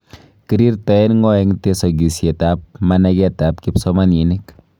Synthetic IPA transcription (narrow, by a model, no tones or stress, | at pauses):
kiɾiɾtaɛnŋɔɛŋtesɔɡisjɛtap̚manɛkɛtap̚kipsɔmaninɪk